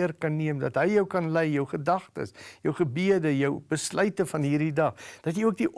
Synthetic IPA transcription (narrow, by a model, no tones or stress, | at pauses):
ərkɐnːiəmdɐtɦəjjœwkɐnlɛjjœwχədɐχtə̰sjœwχəbiədəjœwb̥əslœɥtəfɐnɦiːrdidɐχd̥ɐtjəjuək̚diʔ